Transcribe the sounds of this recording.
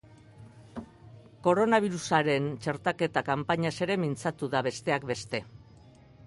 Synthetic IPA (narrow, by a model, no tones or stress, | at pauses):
ko̞ɾo̞naβ̞iɾusaɾe̞nt͡ʃe̞ɾt̪ake̞t̪akampaɲase̞ɾe̞mint͡sat̪uðaβe̞st̪e̞akbe̞st̪e̞